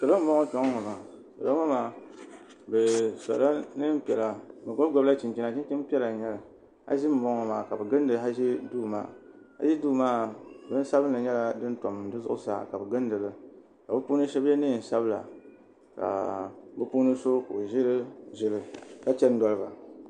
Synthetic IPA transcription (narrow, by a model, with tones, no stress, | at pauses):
ka˨la˦m̩˦bɔ˦ŋɔ˦t͡ʃɔ˦ŋɔ˦ŋɔ˨ma˨ | ka˨ba˦a˦maː˨ | bɛ˨sa̰˨la˦nɨ˦m̩˦pi˨ɛ˨la˨bɛ˨ɡo˦ɡʷɔ˨ba˦t͡ʃi˨nt͡ʃi˦na˨t͡ʃi˦t͡ʃi˦m˦pi˦ɛ˦la˨ɲɛ˦la˨ | ha̰˦ʒɪ˦m̩˦bɔ˦ŋɔ˨maː˨ka˨bɛ˨ɡɨ˦n˦dɨ˨˦a˦ʒi˦duː˦ma̰ː˦ha̰˦ʒi˦duː˦˨maː˦bɛ˨˦sa˦bɨ˦nla˨ɲɛ˦la˨dɨ˦n˦tɔ˨m˨dɨ˦zʊ˦ʔʊ̰˦sa̰ː˦ka˨bɛ˨ɡɨ˦n˦dɨ˨lɨ˦ | ka˨bɨ˦puː˦nɨ˦ʃɛ˦bɛ˦nɨ˦˨n̩˨sa˦bɨ˦la̰˨ | ka̰˨bɨ˦pu˦nɨ˦so˦ka˨ʒɪ˦lɨ˦ʒɪ˦lɨ˦˨ka˦t͡ʃɛ˦n̩˦dɔ˦lɨ˦ba̰˨